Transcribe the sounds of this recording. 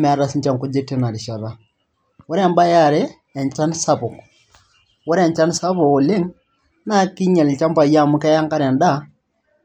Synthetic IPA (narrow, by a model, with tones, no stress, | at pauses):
mɛ˨a˦ɾa˦si˦ɲt͡ʃa˦˨ŋko˦d͡ʒe˦te˦na˨ɾi˨ʃa˨ɾa˦ | wo˦ɾɛ˦˨mba˦ja˦˨ɾe˦ | ɛ˨ɲt͡ʃa˦nsa˦βo˨k | wo˦ɾɛ˨ɲt͡ʃa˦n˦sa˦βo˨o˨le˦ŋ | na˦ki˦ɲa˨li˨t͡ʃa˦mpa˨ja˦˨mu˦kɛ˦ja˦ŋka˦ɾɛ˨nda˦